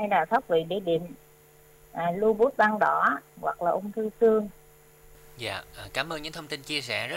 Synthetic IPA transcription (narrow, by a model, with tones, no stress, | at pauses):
a˧jɗaː˨˩t̪ʰa˦˥wk͡p̚vḭ˧˨ɗe˧˩˦ɗḭ˨˩əm | ʔaː˨˩lu˧ɓu˦˥t̚ɓaː˧ŋɗɔ̰˧˩ɣwa̰˨˩k̚laː˨˩ʔʊ˧ŋ͡mt̪ʰɨ˧sɨ˧əŋ | za̰ː˧˨ʔkaː˨˦mʔəː˧nɲɨ̰˧˥ŋt̪ʰə˧wŋ͡mt̪i˧nt͡ɕi˧əsɛ̰˧˩zə˦˥